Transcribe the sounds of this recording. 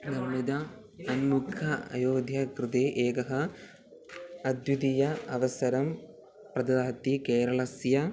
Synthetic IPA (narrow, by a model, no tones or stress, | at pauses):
nɐmːid̪ɐ | ɐnmukʰɐɐ̰joːd̪ʱjɐkɾɨd̪eːʔeːkɐɦɐ | ɐd̪jud̪ijɐɐʋɐsɐɾɐm | prɐd̪ɐd̪aːt̪ːikeːɾɐɭɐsjɐ